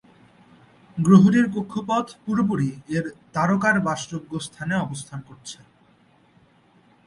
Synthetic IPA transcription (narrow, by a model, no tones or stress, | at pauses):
ɡɾoɦoɾiɾkokʰːopɔt̪ʰpuɾop̬uɾieɾt̪aɾokaɾbaʃɾoɡːost̪ʰaneɔbost̪ʰankoɾt͡ɕʰe